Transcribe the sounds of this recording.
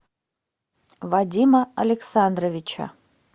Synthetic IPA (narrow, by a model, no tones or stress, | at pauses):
vadʲimɐɐlʲeksand̪rovʲit͡ʃʰɐ̰